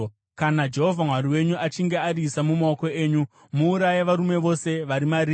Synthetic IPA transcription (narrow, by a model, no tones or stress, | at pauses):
kanad͡ʒe̞ɦo̞vʱamwaɾiwe̞ɲuʔat͡ʃiŋɡe̞aɾisamumaoko̞eːɲu | muːɾajeʋaɾume̞ʋo̞seʋaɾimaɾiː